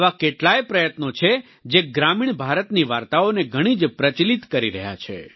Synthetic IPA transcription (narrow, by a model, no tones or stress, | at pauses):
ʋakeʈlajpɾəjət̪not͡ʃʰe | d͡ʒeɡɾamiɳbʱaɾət̪niʋaɾt̪aoneɡʱəɽ̃id͡ʒpɾət͡ʃlit̪kəɾiɾəɦja̰t͡ʃʰḛ